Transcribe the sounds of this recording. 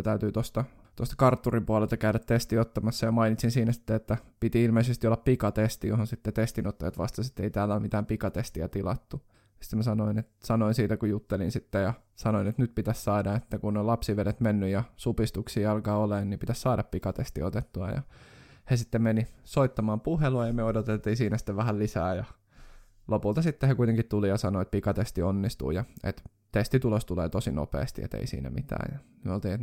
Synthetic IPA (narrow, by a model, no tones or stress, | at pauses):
t̪æyt̪yːt̪ost̪ɑ | t̪ost̪ɑ̥kɑrt̪ːurimpuɑlelt̪ɑkæydæt̪t̪est̪iot̪ːɑmɑsːɑjɑmɑinit̪sinsiːnæsi̥t̪ːeet̪ːæpit̪iilmeisest̪iolːɑppikɑt̪est̪ijohonsit̪ːet̪est̪inot̪ːɑjɑt̪ʋɑ̰st̪ɑsi̥t̪ːeit̪æːlːæolmit̪æːmpikɑt̪est̪iæ̰t̪ilɑ̰t̪ːu | jɑsi̥t̪ːemæsɑnoinet̪sɑnoinsiːt̪ækujut̪ːelinsit̪ːejɑsɑnoinet̪nyt̪̚pit̪æssɑːdɑet̪ːækunːolɑpsiʋedet̪menːyjɑsupist̪uksiːɑlkɑːoleːnnipit̪æssɑːdɑppikɑt̪est̪iot̪et̪ːuɑ̰jɑ̰hesit̪ːemenisoit̪ːɑmɑːmpuheluɑjɑmyøodot̪elt̪ːiːsiːnæsi̥t̪ːeʋæhællisæːjɑ | lopult̪ɑsit̪ːehekuit̪eŋkit̪t̪ulijɑsɑnoet̪̚pikɑt̪est̪ionːist̪ṵːjɑḛt̪ | t̪est̪it̪ulost̪uleːt̪osino̰pḛːst̪iḛt̪ḛisḭːnæ̰mit̪æ̰ːjjɑmyøolt̪iːnet̪